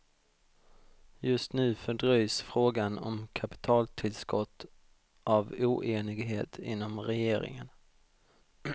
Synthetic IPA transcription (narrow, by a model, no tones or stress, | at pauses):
jɵst̪nʉ̟ːfœɖɾœjsfɾoːɡanɔ̰mkʰapɪ̥t̪ʰɑːlt̪ʰɪlskɔt̪ː | ʔavuːʔeːnɪɡɦeːt̪ʰɪ̰nːɔmɾɛjeːɾɪ̰ŋə̰n